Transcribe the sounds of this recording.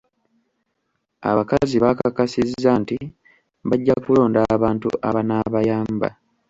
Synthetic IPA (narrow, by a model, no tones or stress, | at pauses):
a̰βakaziβakakasizːanti | βaɟːakulo̞ːndaβaːntṵʔa̰βanaβajaːmba̰